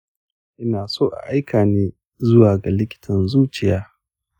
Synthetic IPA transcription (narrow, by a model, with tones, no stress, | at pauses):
ʔɪ˦naː˨soː˦˨ʔa̰˨ʔa˦jkʰaː˨neː˦ | zʊ˦waː˨ɡa˨lɪ˦kʲɪ̥˦tʰɐ˨nzuː˦t͡ʃɪ˨jaː˦